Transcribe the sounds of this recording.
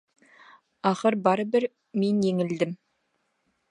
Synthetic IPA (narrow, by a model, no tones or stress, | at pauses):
ɑχəɾbɑɾəbɪɾ | me̞njeŋɪld̪ɪm